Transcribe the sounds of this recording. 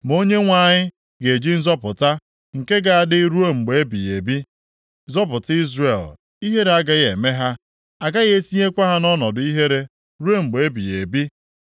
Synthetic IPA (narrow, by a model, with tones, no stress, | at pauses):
m˨o˦ɲe˦ŋʷa˨ɲɪ˦ | ɡe˨d͡ʒi˦n̩˦zɔ˦pʊ˨ta˦ | ŋ̩˨ke˦ɡa˨a˨dɪ˦ɾu˦e˦ŋ͡m̩˨ɡ͡be˨e˦bḭ˨je˨bi˦ | zɔ˦p̬ʊ˨ti˦zre˨l | i˦ɦe˦ɾe˨a˦ɡa˦ɣe˨me˦ɦa˦ | a˨ɡa˦ɣe˦e˦si˦ɲe˦kʷa˦ɦa˦nɔ˦nɔ˨dʊ˨˦i˦ɦe˦ɾe˦ | ɾu˦e˦ŋ͡m̩˨ɡ͡be˨e˦bi˨je˨bi˦